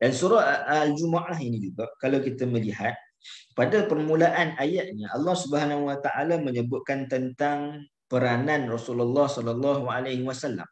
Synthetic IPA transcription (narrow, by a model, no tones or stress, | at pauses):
dansuɾɔald͡ʒumaʔaɦinĩd͡ʒuɡaʔkalawkit̪aməliɦat̪̚ | padapərmulaʔanajaʔɲaʔɑlːɑhsubəɦanaɦuwat̪aʔalaməɲəbʊt̪̚kant̪ənt̪aŋ | pəɾananrɔsululːɑhsɔlalːɑɦualahwasalːa̰m